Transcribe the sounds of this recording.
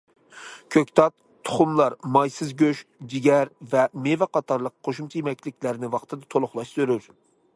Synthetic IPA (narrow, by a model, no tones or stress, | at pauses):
kʲʰøkʲt̪ʰɑt̪ʰːʊ̥χʊmlˠɑɾmɑjsɨzɡʲøʃd͡ʒiɡʲɛɾvɛmevɛqɑt̪ʰɑɾlˠəqːʰoʃumt͡ʃʰijemɛk̚ʲlɪkʲlæɾnɪwɑχt̪ʰɨd̪ɑt̪ʰolˠʊχlˠɑʃsøɾyɾ